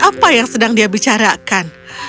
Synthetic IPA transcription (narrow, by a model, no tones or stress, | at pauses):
ʔapajaŋsədaŋdiabit͡ʃaɾakan